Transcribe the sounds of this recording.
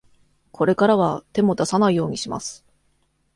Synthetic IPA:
kʰo̞ɾe̞kaɾaβat̪e̞mo̞d̪asanaijo̞ːɲ̟iɕima̰sɨ̥

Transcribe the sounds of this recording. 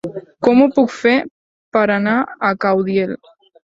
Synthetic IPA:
kɔmupukfe | pəɾanaəkawðjel

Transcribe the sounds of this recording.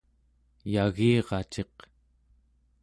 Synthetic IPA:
jaɣiːʁɑt͡ʃe̞q

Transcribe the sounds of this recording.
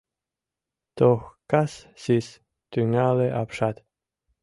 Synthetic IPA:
t̪oxkassis | t̪yŋaleʔapʃat̪

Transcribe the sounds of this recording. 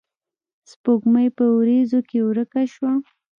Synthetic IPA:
spoɡməjpəwɾezokewɾəkaʃwa

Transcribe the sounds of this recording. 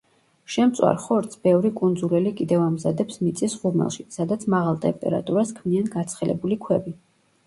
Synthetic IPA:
ʃɛmt̪sʼwa̰ɾχɔɾt̪sʰbɛvɾikʼund̪zulɛlikʼid̪ɛvamzad̪ɛpsmit̪sʼisʁuɾmɛ̰lˠʃisad̪at̪sʰmaʁalˠt̪ʼɛmpʼɛ̰ɾa̰t̪ʼuɾaskʰmianɡat̪sʰχɛlɛ̰bulikʰwɛbi

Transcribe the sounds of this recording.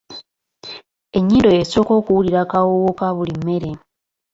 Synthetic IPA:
e̞ɲːido̞jeso̞ːko̞ːkuwuliɾakawowokaβulimːe̞ɾe̞

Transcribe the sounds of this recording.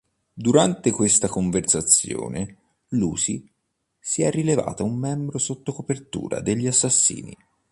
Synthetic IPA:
d̪uɾant̪ekwest̪akoɱversat̪sːjo̰ːne | luːsi | siɛrːileva̰ːt̪aumːɛmbɾosot̪ːokopert̪ṵːɾa̰d̪eʎːiasːasːḭːnḭ

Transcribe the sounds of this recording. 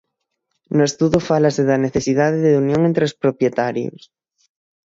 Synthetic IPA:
noest̪uðofalaseðɐneθesiðaðeðeunjõŋent̪ɾeospɾopjet̪aɾjo̰s

